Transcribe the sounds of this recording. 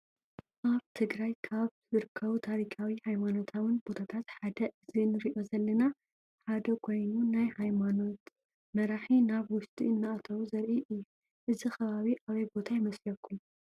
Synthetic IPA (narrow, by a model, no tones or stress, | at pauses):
ʔaβt̪ʰɨɡɾajkʰaβzɨɾɨkʰːɐβut̪ʰaɾikʰawihajmano̞t̪ʰawɨnbo̞t̪ʰat̪ʰat̪ħad̪ɐʔɨzinɨɾiʔo̞zɐlːɐna | ħad̪ɐkʰo̞jnunajhajmano̞t̪ | mɐɾaħinaβwʊst̪ʼḭɨnːaʔat̪ʰɐβuzɐɾʔiʔɨjːu | ʔɨzixɐβaβiʔaβɐjbo̞t̪ʰajɪmɐslɐkʰːun